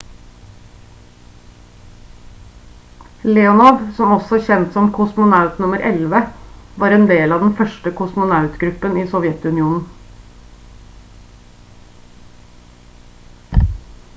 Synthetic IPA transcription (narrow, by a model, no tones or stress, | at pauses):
leːʊnɑʋsɔmɔsɔçɛnt̪sɔmkʰʊsmʊnɑʉt̪nʊməɾʔɛlʋəʋɑːɾɛːnd̪eːlɑːd̪n̩fœʃʈəkʰʊsmʊnɑʉt̪ɡɾʉpəniːsɔʋjɛt̪ʉnɪuːnn̩